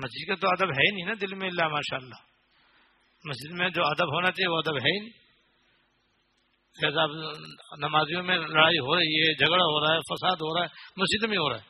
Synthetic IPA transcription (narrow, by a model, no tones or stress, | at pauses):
mɐsɪzkat̪oɐd̪əbɦɛinĩnad̪ɪlmẽɪlːamaːʃaːlːaː | mɐsd͡ʒɪd̪mẽd͡ʒoːɐd̪əbɦoːnat͡ʃaːɦieʋoɐd̪əbɦɛinĩ | eːzaːbnɐmaːzijõmẽlɐɽaːiɦoːɾɐɦiɦɛd͡ʒʱɐɡɽaɦoɾaːɛfɐsaːd̪ɦoːɾaːɛmɐsd͡ʒɪd̪mẽɦoːɾaːɦɛː